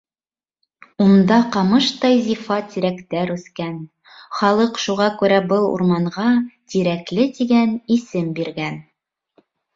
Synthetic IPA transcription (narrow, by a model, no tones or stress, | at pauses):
und̪ɑqɑmɤʃt̪ɑjzifɑt̪iɾækt̪æɾʉθkæn | χɑlˠɤqʃuʁɑkʉɾæbɤlˠṵɾmɑɴʁɑt̪iɾæklɘt̪iɡænisɘmbiɾɡæn